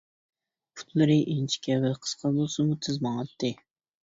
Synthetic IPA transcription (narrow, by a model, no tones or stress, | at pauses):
pʰu̥t̪lˠɨɾɨʔint͡ʃʰi̥kʲɛwɪlqʰə̥sqʰɑbolˠsɨmut̪ʰɨzmɑŋɑt̪ːɨ